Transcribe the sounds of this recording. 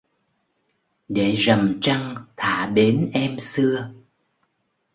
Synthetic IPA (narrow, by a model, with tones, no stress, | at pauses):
ɗe˧˩zə˨˩mt͡ɕa˧ŋt̪ʰa̰ː˧˩˨ɓe˨˦nʔɛ˧msɨ˧ə